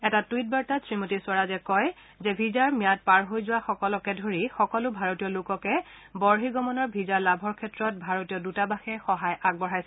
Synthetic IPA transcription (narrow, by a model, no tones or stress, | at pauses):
ɛtatuit̚baɹtasɹimotisʊaɹazɛkɔj | zɛbʱizaɹmijat̚paɹɦojzʊwaxɔkɔlɔkɛdʱoɹixɔkɔlʊbʱaɹotijɔlʊkɔkɛ | bɔɹɦiɡɔmɔnɔɹbʱizaɹlabʱɔɹkʰɛtɹɔt̚bʱaɹotijɔdutabaxɛxɔɦajʔaɡ̚bɔɹ̤ajsɛ